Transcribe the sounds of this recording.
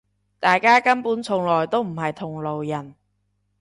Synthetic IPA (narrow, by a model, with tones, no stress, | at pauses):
t̪aː˨jkaː˥kɐ˥npuː˨˥nt͡sʰʊ˨˩ŋlɔː˨˩jt̪o˥wm̩˨˩ɦɐ˨jt̪ʰʊ˨˩ŋlo˨wjɐ˨˩n